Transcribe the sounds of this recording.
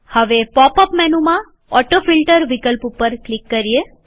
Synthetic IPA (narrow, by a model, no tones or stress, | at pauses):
həʋepɔpəpmɛnumã | ɔʈofilʈəɾʋikəlpupəɾklikːəɾie